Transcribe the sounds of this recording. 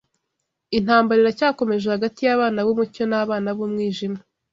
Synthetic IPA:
in̥aːmbaɾiɾacaːko̞me̞ʒehaɡatijaβaːnaβomuco̞naβaːnaβomŋiːʒima

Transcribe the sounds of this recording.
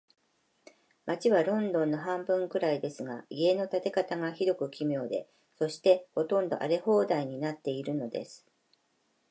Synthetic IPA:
mat͡ɕiβaɾõ̞nd̪õ̞nːoɦãmbɯ̟̃ŋkɯ̟ɾaid̪e̞sɨɡaie̞no̞t̪at̪e̞kat̪aŋaçid̪o̞kɯ̟kʲimʲjo̞ːd̪e̞̰ | so̞ɕi̥t̪e̞ho̞t̪õ̞nd̪o̞ʔa̰ɾe̞ho̞ːd̪aiɲ̟inat̪ːe̞iɾɯ̟no̞d̪e̞̰sɨ̥

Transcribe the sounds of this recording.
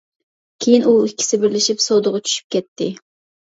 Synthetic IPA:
kʲʰejinuikʲʰːi̥sɪbɪɾlɪʃipsod̪ʊʁʊt͡ʃʰy̥ʃy̥p̚kʲɛt̪ʰːɪ

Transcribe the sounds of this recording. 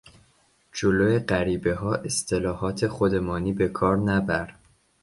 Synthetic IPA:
d͡ʒoloːjeɢæɾiːbe̞ɦɒːʔe̞st̪ʰe̞lɒːhɒːt̪ʰe̞χod̪e̞mɒːniːbe̞kʰɒːɾnæbæɾ

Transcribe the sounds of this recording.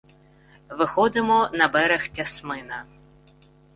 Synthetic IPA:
ʋɪxɔd̪ɪmɔnɐbɛɾɛxtʲɐsmɪnɐ

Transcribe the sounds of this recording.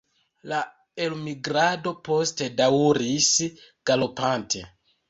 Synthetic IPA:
la | elmiɡɾado̞po̞ste̞daɾisɡ̥alo̞pantʰe̞

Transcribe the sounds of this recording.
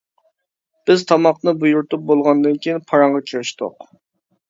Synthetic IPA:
b̥ɪzt̪ʰɑmɑqnɨbujuɾt̪up̚bolˠʁɑnd̪ɨnkʲijinpʰɑɾɑɴʁɑkʲʰiɾɪʃt̪ʊ̰q

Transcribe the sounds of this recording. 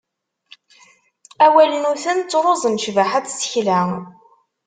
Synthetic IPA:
æwælənuθənt͡sːɾˤozˤənʃvəħætsə̥çlæ

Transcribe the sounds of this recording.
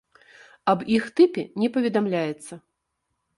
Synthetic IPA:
ɐbixt̪ɨpʲɛnʲɛpɐvʲɛd̪amlʲajɛt̪sːɐ

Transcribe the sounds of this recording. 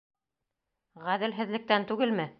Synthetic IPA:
ʁæðɘ̆lɦɘ̆ðlɘ̆k̚t̪ænt̪ʉɡɘlmɘ

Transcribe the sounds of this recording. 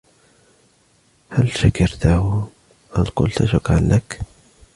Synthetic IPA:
halʃakɑɾt̪ahʊ | ʔalqʊ̰lt̪aʃʊkʕanːak

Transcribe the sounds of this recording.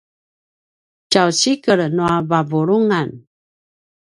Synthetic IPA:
t͡ʃawɕikəɾnuavavuɾuŋan

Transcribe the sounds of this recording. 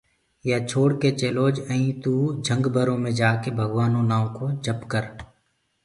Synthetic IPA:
jat͡ʃʰoːɽket͡ʃeːloːd͡ʒəĩt̪ud͡ʒʱə̃ŋɡbʱəɾõmẽd͡ʒaːkebʱɐɡʋaːnõnaːõkod͡ʒʱəpkəɾ

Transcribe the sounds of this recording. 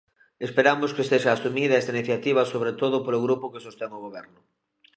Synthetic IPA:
espeɾamʊskest̪eʃaːsumiðaɛst̪ainiθjat̪iβ̞asoβɾet̪oðʊpoloɣɾupʊkesost̪eŋoɣ̞oβ̞ɛɾnʊ

